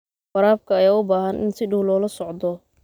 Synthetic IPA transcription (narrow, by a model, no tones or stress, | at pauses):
fɑɾaːb̚kʰɐːjaːʊbaːɦɐnʔɪ̰nsɪɖʊwlɔːlɐsɔʕd̪ɔ